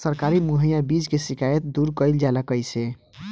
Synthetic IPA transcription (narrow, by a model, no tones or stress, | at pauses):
səɾkaɾimuɦəjabid͡ʒkesikajət̪̚d̪uɾkəjld͡ʒaləkəjse